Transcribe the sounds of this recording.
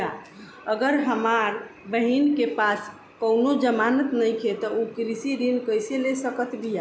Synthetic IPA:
a | əɡəɾɦəmaɾbəɦinkepas | kəwnod͡ʒəmanət̪nəjkʰet̪ɔukɾisiɾinkəjselesəkət̪lija

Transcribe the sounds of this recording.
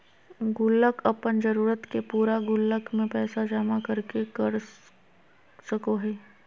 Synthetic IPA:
ɡʊlːəkɐpənd͡ʒəɾuːɾət̪kepuːɾaɡʊlːəkmẽpɛːsad͡ʒaːmakəɾkekəɾ | səkoɦɛː

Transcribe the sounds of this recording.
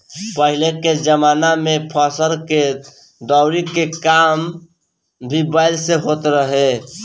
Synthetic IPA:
pəɦileked͡ʒəmanamepʰəsəɾke | d̪ɔʊɾikekam | bʱibəɪlseɦot̪ɾəɦe

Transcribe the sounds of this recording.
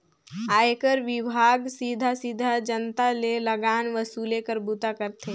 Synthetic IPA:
aːjekəɾʋɪbʱaːɡsiːd̪ʱasiːd̪ʱad͡ʒənt̪aleləɡaːnʋəsuːlekəɾbut̪akəɾt̪ʰe

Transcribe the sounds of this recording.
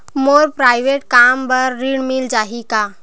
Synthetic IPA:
moːɾpɾaːɪʋeʈkaːmbɐɾːiɽmɪld͡ʒaːɦikaː

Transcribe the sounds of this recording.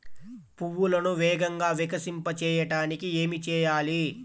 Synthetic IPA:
puwːulɐnuʋɛːɡɐŋɡaːʋɛkɐsimpɐt͡ʃɛːjɐʈaːnikie̞ːmit͡ʃɛːjaːli

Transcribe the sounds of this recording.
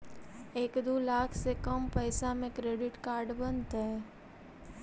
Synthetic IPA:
eːkd̪oːlaːkʰsekəmpəɪsamẽkɾeːɖɪʈkaːɾɖbənt̪ɦɛː

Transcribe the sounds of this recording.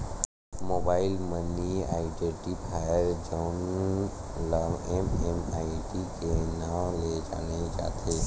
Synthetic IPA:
moːbaːɪlmənːia̰ːiʈeʈipʰaːjəɾd͡ʒɔʊn | laʋememaːiʈikenaːled͡ʒa̰ːned͡ʒa̰ːt̪ʰeː

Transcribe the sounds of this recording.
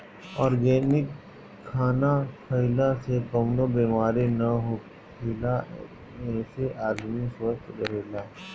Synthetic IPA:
ɔːɾɡɛːnɪkʰː | aːnakʰɐɪlasekəmlobiːmaːɾinɐɦo | kʰɪla | mẽseʔaːd̪mĩswəst̪ʰɾɐɾeːlaː

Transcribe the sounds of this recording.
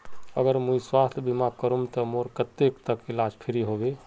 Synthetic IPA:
əɡəɾmujswast̪ʰbimakəɾumt̪əmoɾkət̪ekt̪əkelad͡ʒpʰeɾiɦobe

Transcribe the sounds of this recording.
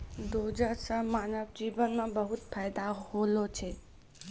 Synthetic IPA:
d̪od͡ʒəsəmaːnəʋd͡ʒiːʋənmẽbəɦut̪̚pʰajd̪aholot͡ʃʰɛ

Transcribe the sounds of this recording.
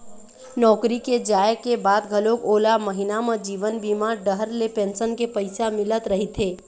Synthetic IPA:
nɔːkɾiked͡ʒaːjkebaːd̪ɡʱɐloːkoːlamɐɦɪnamə̃d͡ʒiːʋənbiːmaɾɖəɦəɾlepẽːnsənkepɐɪsamɪlət̪ɾɐɦit̪ʰeː

